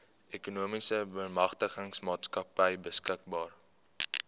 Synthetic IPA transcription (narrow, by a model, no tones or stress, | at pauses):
ʔekunuəmisəbəmɐχtəχəŋsmɑːtskɐpəjbəskək̚bɑːr